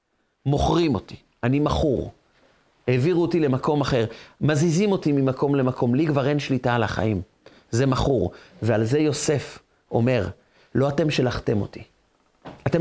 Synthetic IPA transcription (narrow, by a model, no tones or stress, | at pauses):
mo̞χʁimo̞ti̥ | animaχuʁ | heviʁuotile̞mako̞maχe̞ʁmazizimo̞timimako̞mle̞makʰo̞mliɡvaʁenʃlitalaχa̰im | ze̞maχuʁvealze̞jo̞se̞f | o̞̰me̞ʁ | lo̞ate̞mʃelaχtemo̞̰t̪i̥ | ate